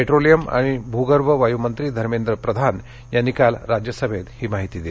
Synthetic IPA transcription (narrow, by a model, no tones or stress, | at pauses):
eʈɾolijəma̰ɽ̃ibʱuɡəɾbəʋajumənt̪ɾiːd̪ʱəɾmend̪ɾəpɾəd̪ʱan | janikalɾad͡ʑjəsəbʱet̪hiːmaɦit̪iːd̪e